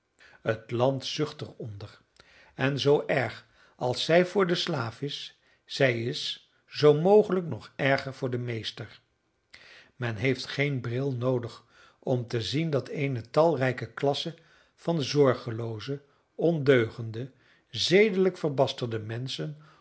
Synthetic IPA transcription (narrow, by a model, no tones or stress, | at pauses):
hətlɑntsɵχtərɔndər | ɛnzowʔɛɹχ | ɑlˠsɛjvʊːɹdəslaːfɪsː | ɛjɪs | zowmowχələknɔχɛɹχəɹvʊːɹdəmejstəɹ | mɛnɦejftχejnbrɪlˠnowdəχ | ɔmtəzindɑtʰejnətɑlˠrɛjkəklɑsə | v̥ɑnzɔɹχəlowzə | ɔndøɥχəndə | zejdələkfəɹbɑstəɹdəmɛnsən